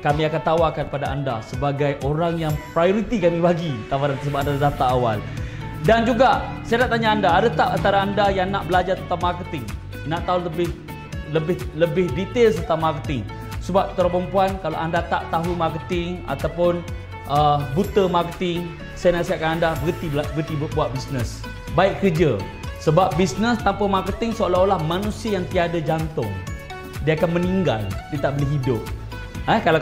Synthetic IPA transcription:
kamĩakant̪awakanpadaa̰nda̰səbaɡajʔoɾaŋjaŋpɾajoɾit̪ikamĩbaɡit̪awaɾant̪əsəbaandazat̪aːwa̰l | dand͡ʒuɡasajanaʔt̪aɲaːndaːdat̪apant̪aɾaːndajaŋnaʔbəlad͡ʒaɾt̪ənt̪amarkət̪ɪŋ | naʔt̪aɦuləbɪh | ləbɪhləbɪhdit̪elst̪ərt̪amarkət̪ɪŋ | səbap̚t̪uɾapəmpuankala̰ʔandat̪aʔt̪aɦumakət̪ɪŋa̰t̪apʊn | ʔəbut̪əmarkət̪ɪŋ | sajnasiakanandabəkət̪ibəkət̪ibbuaʔ̪̚bisnəs | baɪʔkərd͡ʒə | səbap̚bisnəst̪ampamarkət̪ɪŋsəalaolahmanũsiəjaŋt̪iadad͡ʒant̪ʊ̰ŋ | diəakanməniŋɡa̰ldit̪aʔbəliɦidʊp̚ | əkala

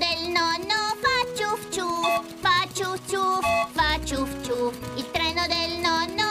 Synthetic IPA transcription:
d̪elnɔnːofat͡ʃːuft͡ʃu | fat͡ʃːut͡ʃːuvat͡ʃːuft͡ʃuilt̪ɾɛːnod̪elnɔnːo

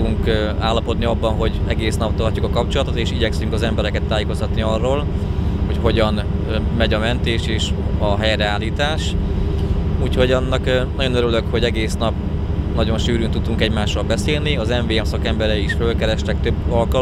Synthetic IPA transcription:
uŋk | aːlːɒpo̞d̪niɒbːɒnɦo̞ɟɛɡeːsnɒp̚t̪ɒrcukɒkɒpt͡ʃo̞lɒt̪o̞t̪eːʃiɟɛksyŋkɒzɛmbɛɾɛkɛt̪ːaːjeːko̞st̪ɒt̪niɒrːoːl | ho̞cho̞ɟɒn | mɛɟɒmɛnt̪eːʃeːʃɒɦɛjɾɛaːlːiːt̪aːʃ | uːcho̞ɟɒnːɒknɒɟo̞nøɾyløkho̞ɟɛɡeːsnɒp̚ | nɒɟo̞nʃyːɾynt̪ud̪uŋkɛɟmaːʃrɒlbɛseːlniɒzɛɱveːɛmsɒkɛmbɛɾɛiiʃfølkɛɾɛʃt̪ɛk̚t̪øbːɒlkɒl

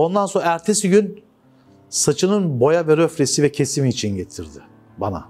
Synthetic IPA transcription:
o̞nd̪ansoaæɾt̪ʰesiɟyn | sat͡ʃʰɯnɯnbo̞javɛɾøfɾʲesivɛcʰe̞simiːt͡ʃʰinɟet̪ʰiɾd̪ɪ | bana̰

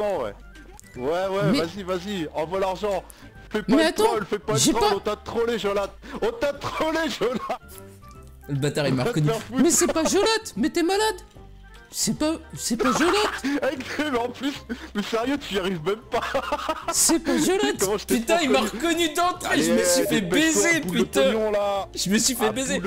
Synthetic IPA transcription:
mɑ̃wɛ̰ | wɛwɛmɛvazivaziɑ̃vwalaʁʒɑ̃ | fɛpmamɛat̪ɑ̃lfɛpaʒɛɔpaɔ̃t̪ãt̪χɔleʒɔlat̪̚ɔ̃t̪ãt̪χɔleʒɔlat̪ | ləbat̪aʁimaʁkɔnyɛʁfumɛsɛpaʒɔlat̪mɛt̪ɛmalad̪ | sɛpasɛpaʒɔlɔt̪akɛmɑ̃plysmɛsɛʁjøt̪yjaʁivmɛmpa | sɛpaʒɔlɔt̪pyt̪ɛ̃imaʁkɔnyd̪ɑ̃t̪χɛ̃ʒəməsɥifɛbbezepyt̪ɛ̃ɔ̃laʒ̥əməsɥifɛbeze

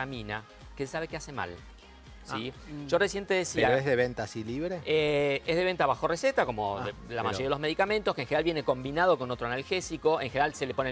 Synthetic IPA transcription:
amĩna | kesaβekeasema̰l | siʒ̥o̞resje̞nt̪eðesiaɾoezðeβent̪asiliβɾeeezðe̞βe̞nt̪aβaxo̞reset̪ako̞mo̞̰lama̰ʒoeiaðelo̞zme̞ðikamẽ̞nt̪oskẽŋxeneɾalβjeneko̞mbinað̞o̞ko̞not̪ɾoanalxesiko̞ʔeŋxeneɾalselepone

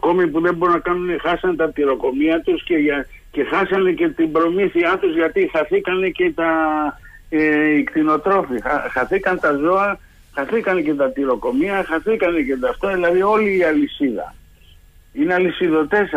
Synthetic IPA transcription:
ko̞mipuðe̞boɾunɐkɐnunexɐsɐnt̪ɐt̪iɾo̞ko̞miɐt̪usceʝɐ | ce̞xɐsɐne̞ce̞t̪imbɾo̞miθiɐt̪uzʝɐt̪ixɐθikɐne̞ce̞t̪ɐ | eikt̪ino̞t̪ɾo̞fixxɐθikɐnt̪ɐzo̞ɐ | xɐθikɐnece̞t̪ɐt̪iɾo̞ko̞miɐxɐθikɐne̞ce̞t̪ɐft̪ɐðilɐðio̞liːɐlisiðɐ̰ | ineɐlisiðo̞t̪e̞s

